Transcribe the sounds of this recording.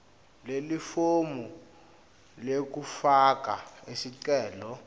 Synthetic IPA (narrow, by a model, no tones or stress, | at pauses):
lelifomu | lek̬ufak̬aesiǀɛːlɔ